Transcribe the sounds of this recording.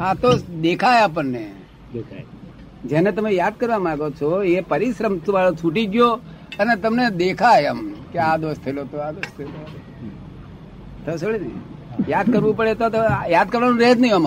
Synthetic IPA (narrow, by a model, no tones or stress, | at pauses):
at̪od̪ekʰaeap̬ənne | k | d͡ʒenet̪əmejaːd̪̚kəɾʋamãːɡot͡ʃʰoepəɾiʃɾəmt̪ʋaɭot͡ʃʰuʈid͡ʒjo | ənet̪əmned̪ekʰajəmkead̪ost̪ʰəelot̪oad̪ost̪ʰəelo | t̪əsoɭinḛjaːd̪̚kəɾʋũpəɭet̪ot̪ojad̪̚kəɾʋanũɾeɦt̪nəɦĩam